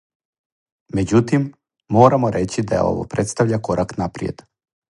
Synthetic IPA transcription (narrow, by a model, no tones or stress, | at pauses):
mɛd͡ʑut̪imː | oːɾamɔɾɛt͡ɕid̪aja̰o̰vɔ̰pɾɛt̪st̪avʎakoɾaknapɾijḛd̪